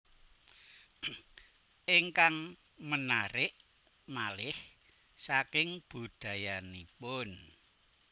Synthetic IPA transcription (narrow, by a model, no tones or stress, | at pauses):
ʔɪŋkaŋ | mənaɾɪʔ | malɪh | sakɪŋb̥ṳd̪̥a̤janipʊn